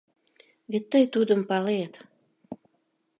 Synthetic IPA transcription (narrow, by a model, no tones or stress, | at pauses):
βet̪ːəjt̪ud̪əmpɑlet̪